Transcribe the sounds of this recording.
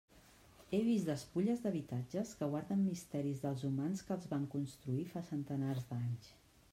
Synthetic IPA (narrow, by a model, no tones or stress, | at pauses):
eβ̞izd̪əspuʎəzðəβit̪ad͡ʒəskəɣwaɾðəmːist̪ɛɾizðəlˠzumanskəːlˠzβaŋkunst̪ɾuifasənt̪ənarzd̪aɲs